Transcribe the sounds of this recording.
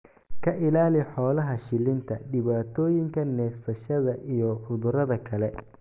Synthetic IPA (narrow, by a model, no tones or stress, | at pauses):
kʰɐʔɪlaːlɪħɔːlɐɦɐʃɪlɪnt̪ʰɐɖɪβaːt̪ʰɔːjɪŋkʰɐnɛːfsɐʃɐðɐʔijɔfʊðʊɾɐðɐkʰɐlɛ